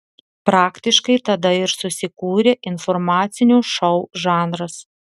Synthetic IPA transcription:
pɾɑːkt̪ʲɪʃkɐɪt̪ɐd̪ɐɪɾsʊsʲɪkuːɾʲeʔɪnfɔɾmɑːt̪sʲɪnʲuːʃɐʊʒɑːnɾɐs

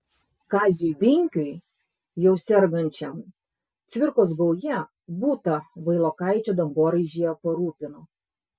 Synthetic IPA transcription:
kɑːzʲibʲɪŋʲkʲʊɪ | jɛʊsʲɛɾɡɐnʲt͡ʃʲɛm | t̪sʲʋʲɪɾkoːsɡɐʊjɛ | buːt̪ɐʋɐɪlˠoːkɑɪt͡ʃʲod̪ɐŋɡoːɾɐɪʒʲijɛpɐɾuːpʲɪnʊ

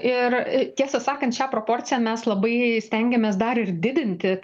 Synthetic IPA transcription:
ɪrt̪ʲiɛsʲɛsɑːkɐnt̪ʃʲæːpɾoːpoːrʲt̪t͡ssʲɪjæmʲɛslˠɐbɐɪsʲt̪ʲɛŋʲɡʲɛmʲeːsd̪ɐɾɪɾd̪ʲɪd̪ʲɪnʲt̪ʲɪ

